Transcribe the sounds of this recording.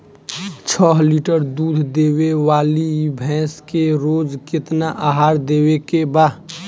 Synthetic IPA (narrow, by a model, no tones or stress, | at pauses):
t͡ʃʰɔːɦliːʈəɾd̪uːd̪ʱd̪eːwewaːlibʱɛ̃ːskeɾoːd͡ʒkɪt̪naʔaɦaːɾd̪eːwekebaːd̪